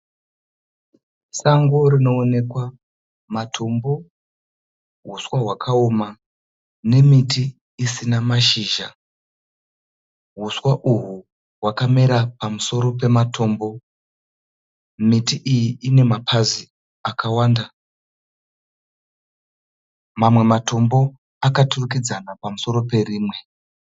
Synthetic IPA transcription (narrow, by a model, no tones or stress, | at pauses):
saŋɡo̞ɾino̞ːne̞kwa | matʰo̞mbo̞ | ɦuswaɦwakʰaoma | ne̞mitʰiː | sinamaʃiʒa | ɦuswaʔuɦu | wakameɾapamuso̞ɾo̞p̬e̞matʰo̞ːmbo̞ | mitiʔijiine̞mapʰazi | akʰawaːnda | mamwe̞matʰo̞mbo̞ | akaturuk̬id͡zanapamuso̞ɾo̞pe̞riːmwe̞